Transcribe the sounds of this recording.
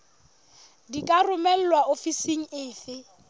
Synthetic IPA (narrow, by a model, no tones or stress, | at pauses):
dikʼarʊmɛl̩ːwaofisiŋ̩ɪːfɪ